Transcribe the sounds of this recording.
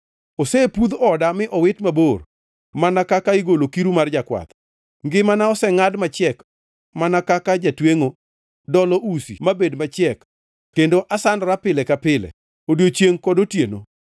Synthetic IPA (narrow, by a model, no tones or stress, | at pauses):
osɛpud̪ɔdamɪʔɔwɪtmabor | manakakaiɡolokiɾumard͡ʒakwa̰t̪ | ŋɡɪmanaɔsɛŋadmat͡ʃjɛk | manakakad͡ʒatweŋo | dɔlɔʔusḭmabedmat͡ʃjɛk | kːendoʔasandɾapɪlɛkapɪlɛ̰ | odjot͡ʃjeŋkɔdotjeno̰